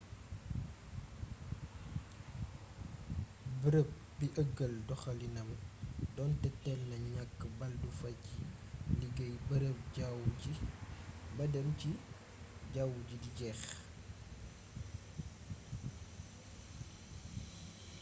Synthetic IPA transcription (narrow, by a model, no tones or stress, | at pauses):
bəɾəp̚ | biʔəɡəldɔxɐlinɐmdɔntɛtːɛlnɐɲakːbɐldufɐcː | liɡɐjbəɾəp̚aw | bɐdəmci | ɟawuɟidiɟɛx